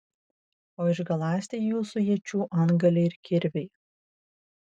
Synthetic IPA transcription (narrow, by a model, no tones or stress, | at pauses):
oːɪʒɡɐlˠɑːsʲt̪ʲejuːsʊjiɛt͡ʃʲuːʔɐŋɡɐlʲeɪɾkʲɪɾʲʋʲɛɪ